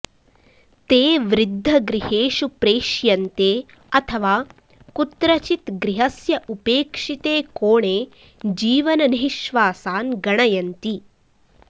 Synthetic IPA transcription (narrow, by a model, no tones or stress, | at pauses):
t̪eːʋɾɪd̪ʱːɐɡɾiheːʂupɾeːʃjɐnt̪eː | ɐt̪ʰɐʋaː | kut̪ɾɐt͡ʃit̪ɡɾiɦɐsjɐʔupeːkʂit̪eːkoːɳeː | d͡ʒiːʋɐnɐniɦiʃʋaːsaːnɡɐɳɐjɐnt̪i